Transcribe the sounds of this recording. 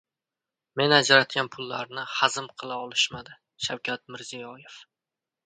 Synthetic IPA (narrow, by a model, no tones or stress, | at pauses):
me̞nad͡ʒaɾat̪kʲanpʰʊlːaɾnɪhazɪmqʰɨlˠaɒlˠɪʃmad̪ɪ | ʃawkʲʰat̪̚mɪɾzijɒje̞f